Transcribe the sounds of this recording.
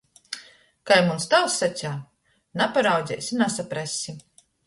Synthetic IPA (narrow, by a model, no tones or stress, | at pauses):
kajmunst̪awsːatʲaː | napaɾawd̪zʲɛ̰jsʲinasapɾasʲi